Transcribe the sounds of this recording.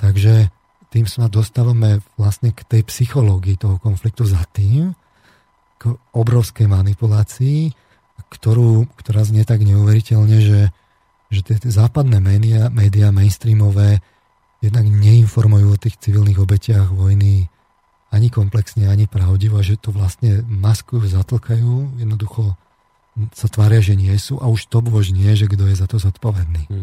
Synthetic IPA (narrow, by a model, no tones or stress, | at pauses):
t̪aɡʒɛ | t̪iːmsanad̪ɔst̪aːʋamɛʋlastɲɛkt̪ɛjpsixɔlɔɡiːt̪ɔɦɔkɔnflik̚t̪uzat̪iːm | ɡ̥ɔbɾɔʊskɛjmanipulaːt͡siː | kt̪ɔɾuːkt̪ɔɾaːzɲɛt̪aɡɲɛuʋɛɾicɛʎɲɛʒɛ | ʒɛt̪ɪɛt̪ɛzaːpad̪nɛːmɛniamɛːd̪iamɛɪnst̪ɾiːmɔʋɛː | jɛd̪naɡɲɛinfɔɾmujuːɔt̪iːxt͡siʋilniɣɔbɛcɪaɣʋɔjni | aɲikɔmplɛksɲɛaɲipɾaʊɟiʋɔaʒɛt̪ɔʋlast̪ɲɛmaskujuzat̪l̩kʰajuːjɛd̪nɔd̪uxɔ | sat̪ʋaːɾɪaʒɛɲɪɛsuːʔauʃt̪ɔbʊɔʒɲɪɛʒɛɡd̪ɔjɛzat̪ɔzɔt̪pɔʋɛd̪niː